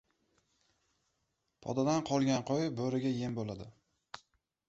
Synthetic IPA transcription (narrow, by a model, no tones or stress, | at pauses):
pʰɒ̰d̪ad̪anqʰɒlˠɡʲanqʰojbɵɾɪɡʲaje̞mbolad̪ɪ